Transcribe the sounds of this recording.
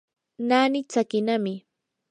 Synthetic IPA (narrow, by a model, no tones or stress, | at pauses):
naːnɪt͡sakɪnamɪ